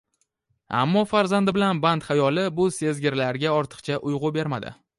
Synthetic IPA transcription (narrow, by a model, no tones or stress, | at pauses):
a̰mːɒfaɾzand̪ɪbɪlanbant̪χajɒlɪbʊse̞zɡʲɪɾlaɾɡʲaɒɾt̪ʰɨ̥qt͡ʃʰaʔʊjʁʊbe̞ɾmad̪ɪ̰